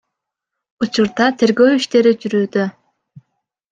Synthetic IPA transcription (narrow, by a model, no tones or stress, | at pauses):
ut͡ʃuɾd̪ɑt̪ʰe̞ɾɡøwiʃt̪eɾid͡ʒyɾyːd̪ø